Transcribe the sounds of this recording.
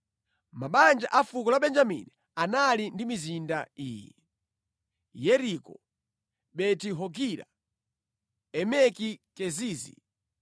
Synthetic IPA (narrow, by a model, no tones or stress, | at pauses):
maɓand͡ʒa̰ʔafukɔlaɓɛnd͡ʒamḭni | analindimizindaḭːjɛ | jɛɾikɔ | ɓɛtiɦɔɡiɾa̰ | ɛmɛkikɛziːzḭ